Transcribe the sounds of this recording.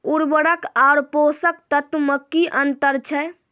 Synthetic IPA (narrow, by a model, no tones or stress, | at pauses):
uɾbəɽəkaʊɾposək̚t̪ət̪məkːiʔənt̪əɾt͡ʃʰɛ